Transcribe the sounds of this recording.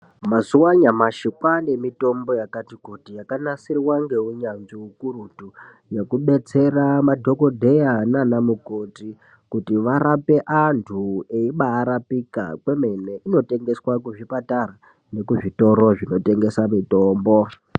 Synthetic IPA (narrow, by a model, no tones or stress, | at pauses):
mazuwaɲamaʃikwane̞mito̞mbo̞jakatikutijakanasirwaŋɡe̞uɲanziukurutu | je̞kuɓe̞t͡se̞ramadʱo̞ko̞dʱe̞jananamukoti | kutiʋaɾape̞ʔantʰueiɓaːɾapika̰kwe̞me̞ne̞ʔino̞te̞ŋɡe̞swakuʐipataɾa | ne̞kuʐito̞ɾoʐino̞te̞ŋɡe̞samito̞ːmbo̞